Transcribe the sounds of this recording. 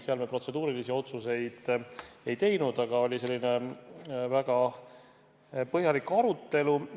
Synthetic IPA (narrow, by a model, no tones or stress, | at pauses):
seɑlmepro̞t̪se̞d̪uːɾilisio̞t̪suse̞jd̪̥e̞jt̪e̞jnud̪̥ɑɡ̥ɑo̞lʲise̞lːine̞ | væɡ̥ɑ | pɤhjɑlikːɑɾut̪ːe̞lu